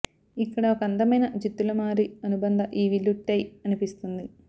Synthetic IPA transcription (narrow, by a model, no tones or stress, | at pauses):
ikːɐɽɐokɐnd̪ɐmɐjnɐd͡ʒit̪ːulɐmaːɾiɐnubɐnd̪ʱɐʔiːʋilːuʈːɐjɐnipist̪und̪i